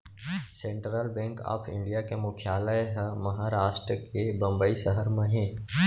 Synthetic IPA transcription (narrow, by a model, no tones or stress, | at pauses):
sẽɳʈɾəlbɛ̃ːŋka̰ːpʰɪ̰̃ɳɖijakemʊkʰɪjaːləeɦmɐɦaːɾaːʃʈɾəkebɐ̃mbəisəɦəɾmẽɦɛ̃ː